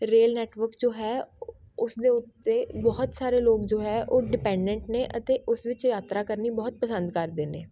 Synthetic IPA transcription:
ɾeːlnɛːʈʋəɾkd͡ʒoːɦɛː | ʊsd̪eːʊt̪ːeːbɔːt̪saːɾeːloːkd͡ʒoːɦɛːʔoːɖɪpɛ̃ːɳɖɛ̃ɳʈnẽːʔət̪eːʔʊsʋɪt͡ʃjaːt̪ɾaːkəɾniːbɔːt̪̚pəsə̃nd̪kəɾd̪eːneː

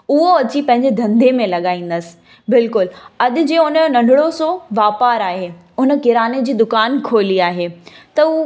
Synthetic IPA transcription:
ʊɦoɐt͡ɕipɐ̃ɦɪ̃ɲd͡ʑed̪ʱɐ̃nd̪ʱemẽlɐɠaːĩːn̆d̪əsɪ̥̆ | bɪlkʊlɐɗ̪ɪ̆d͡ʑeːʊnənɐ̃ɳɖɪɽosoʋaːpaːɾaːɦeː | ʊnə̆kɪɾaːned͡ʑiːd̪ʊkaːnkʰoːliaːɦeːt̪ɐ

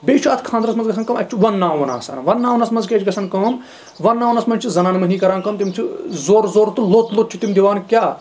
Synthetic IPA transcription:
beːt͡ʃʰuaːt̪ʰkʰãːnd̪ɾɐsmɐnzɡɐsʰɐnkɐmɐk̚ʲt͡ʃʰiʋɐnːaːʋɐna̰ːsɐ̰ːnʋɐnːaːʋnɐsmɐnzkʲeːt͡ʃʰɡɐsʰɐnkɐm | ʋɐnːaːʋɐnɐsmɐnʲt͡ʃʰizɐnaːnmɐɦniːkɐɾaːnkɐmt̪imt͡ʃʰizoːɾzoːɾt̪ulot̪lot̪̚t͡ʃʰit̪imd̪iʋaːnkʲjaː

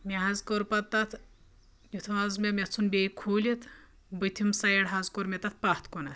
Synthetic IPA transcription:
mʲeɦɐzkoɾpɐt̪ːɐt̪ʰ | jut̪ʰʋazmʲɐmʲɐt͡sʰunbʲejkʰuːlʲit̪ | bɨt̪ʰʲimsɐjɐɽɦazkoɾmʲɐt̪ɐt̪̚ʰpɐht̪ʰkonɐt̪

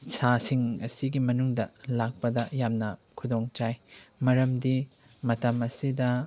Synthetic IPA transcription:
sasiŋɐsiɡimɐnuŋdɐ̰lak̚pɐdɐjamnɐkʰudoŋt͡ʃajmɐɾɐmdi | mɐtɐmɐsidɐ

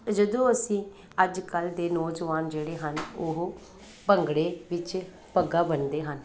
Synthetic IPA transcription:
d͡ʒəd̪õːəsĩː | əd͡ʒkəld̪eːnɔːd͡ʒəʋaːnd͡ʒeːɽeːɦənoɦ | pəŋɡɽeːʋɪt͡ʃ | pəɡaːbənd̪eːɦən

